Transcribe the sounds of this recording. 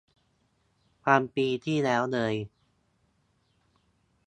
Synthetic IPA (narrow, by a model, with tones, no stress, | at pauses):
kʰaː˧mpiː˧t̪ʰiː˥˩lɛː˦˥wnɤː˧j